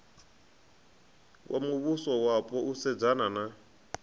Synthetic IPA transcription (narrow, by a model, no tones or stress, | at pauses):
kʼwʔamuβusɔwapʼɔʔusɛd͡zanana